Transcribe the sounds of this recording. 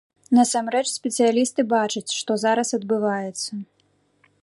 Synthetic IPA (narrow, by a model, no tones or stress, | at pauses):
nɐsamɾɛt͡ʂsʲpʲɛt̪sɨjalʲist̪ɨbat͡ʂɐt͡sʲʂt̪ɔzaɾɐsɐd̪̚bɨvajɛt̪sːɐ